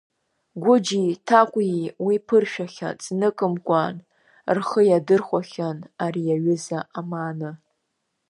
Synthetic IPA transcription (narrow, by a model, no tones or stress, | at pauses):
ɡʷʊd͡ʒitʰakʷʼjiwipʰɨrʃᶣaχʲa̰t͡sʰʼnɨkʼɨmkʷʼan | rχəjadɨrχʷaχʲanaɾijaɥʊzaʔamaːnɨ